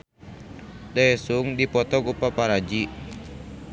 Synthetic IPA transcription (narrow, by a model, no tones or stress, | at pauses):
daɛsuŋdipɔt̪ɔɡupapaɾad͡ʒi